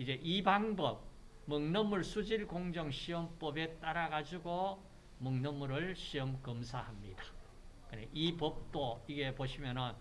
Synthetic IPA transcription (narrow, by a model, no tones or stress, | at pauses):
id͡ʑe̞ʔibaŋbʌb̚ | mɯŋnʌmuɭsʰud͡ʑiɭkoŋd͡ʑʌŋɕʰiʌmp͈ʌbe̞t͈aɾaɡad͡ʑuɡo | mɯŋnʌmuɾɯɭɕʰiʌmkɯmsʰahamɲidḁ | kɯnḛʔipʌp̚t͈oiɡe̞poɕʰimjʌnɯn